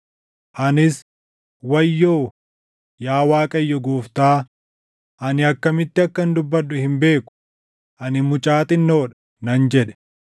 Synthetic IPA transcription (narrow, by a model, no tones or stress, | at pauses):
ʔɐnɪs | wɐjːoː | jaːwaːkʼɐjːɔɡuːft̪aː | ʔɐnɪɐkːɐmɪt̪ːɪɐkːɐnd̪ʊbːɐᶑːʊhɪmbe̞ːkʊ̥ | ʔɐnɪmʊt͡ʃʼaːt̪ɪnːo̞ːᶑɐ̥ | nɐnd͡ʒɛᶑɛ̥